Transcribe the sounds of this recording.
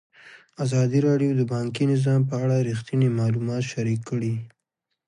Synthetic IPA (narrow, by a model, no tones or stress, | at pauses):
azɑd̪iɾɑɖjod̪əbɑŋkinɪzɑmpəaɽaɾixt̪inimɑlumɑt̪ʃaɾikːəɽi